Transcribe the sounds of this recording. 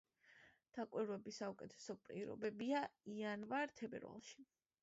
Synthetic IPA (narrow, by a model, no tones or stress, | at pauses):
d̪̥akʼwiɾwɛbisaukʼɛt̪ʰɛ̥sɔpʼḭɾɔ̰bɛbiaianvaɾt̪ʰɛbɛ̰ɾva̰lˠʃi̥